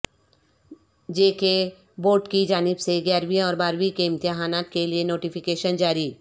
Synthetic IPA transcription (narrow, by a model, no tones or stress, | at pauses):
d͡ʒeːke | boːɾʈkid͡ʒaːnɪbseɡjaːɾʋĩɔːɾbaːɾwikeɪ̃mt̪ɪɦaːnaːt̪kelienoːʈifʰɪkeːʃənd͡ʒaːɾi